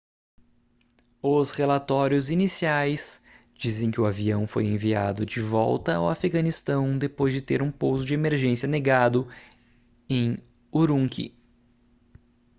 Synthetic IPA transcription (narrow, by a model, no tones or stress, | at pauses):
ʊsχelat̪ɔɾjʊzinisiajs | d͡ʒizẽj̃kɪʊaviɐ̃w̃fo̰jẽvia̰d̪ʊd͡ʒɪvɔ̰wt̪ɐa̰wafiɡɐnist̪ɐ̃w̃d̪epojzd͡ʒɪt̪eɾũpowzʊd͡ʒɪemeɾʒẽsiɐneɡad̪ʊ | ẽj̃ | uɾũŋkʰḭ